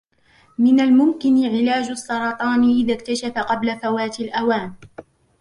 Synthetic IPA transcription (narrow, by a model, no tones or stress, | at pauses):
mɪnalmʊmkɪnʕɪlaːd͡ʒɑsˤːɑɾˤɑt̪ˤɑːnɪʔɪðakt̪aʃafaqɑblafawaːt̪alʔawaːn